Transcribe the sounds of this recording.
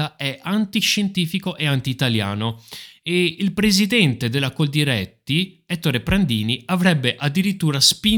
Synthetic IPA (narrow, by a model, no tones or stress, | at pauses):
aɛʔant̪iʃent̪iːfikoʔeant̪iːt̪alja̰ːnoeilpɾezid̪ɛnt̪ed̪elːakold̪iɾɛt̪ːiɛt̪ːoɾepɾand̪iːniavɾɛbːeʔad̪ːiɾit̪ːuːɾaspi